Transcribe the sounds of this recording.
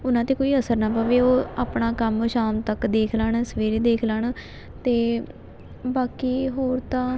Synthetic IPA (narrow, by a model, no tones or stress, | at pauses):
ʊnãːt̪eːkoːiːəsəɾnaːpaːʋeːoːaːpɳaːkəmʃaːmt̪əkd̪eːkʰləɳsəʋeːɾeːd̪eːkʰləɳ | t̪eː | baːkiːɦoːɾt̪ãː